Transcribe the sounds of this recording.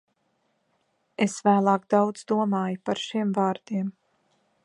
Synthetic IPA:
esvæːlˠɑːɡd̪awd̪z̥d̪uɔmaːjupaɾʃimvaːɾd̪̥iɛm

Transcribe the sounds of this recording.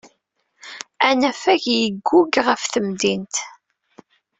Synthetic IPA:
ænæfæʝjəɡːʊɡʁəfθəmd̪int̪

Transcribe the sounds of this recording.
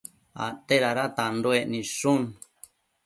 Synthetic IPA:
a̰t̪eɾaɾat̪andoenĩʂũn

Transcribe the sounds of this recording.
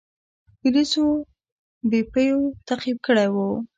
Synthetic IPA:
pʊliso | bepəjot̪aqib̚kəɽawu

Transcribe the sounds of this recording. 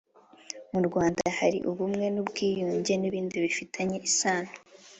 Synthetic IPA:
muɾɡwaːndahaɾḭʔuβumŋe̞nubɡiːjuːɲɟe̞niβiːndiβifitʰaɲe̞ʔisaːno

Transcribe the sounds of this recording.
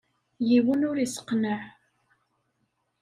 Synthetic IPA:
jiwənʊɾisə̥qnəʕ

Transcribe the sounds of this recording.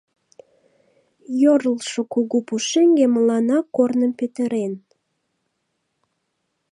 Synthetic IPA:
joɾəlʃokuɣupuʃeŋɡeməlɑnɑkːornəmpøt̪əɾen

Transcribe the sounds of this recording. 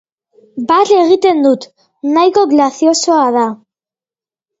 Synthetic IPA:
baɾe̞ɣ̞it̪e̞nd̪ut̪ | najko̞ɣlaθjo̞so̞að̞a

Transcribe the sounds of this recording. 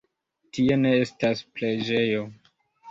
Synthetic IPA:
tie̞ne̞e̞staspled͡ʒe̞jo̞

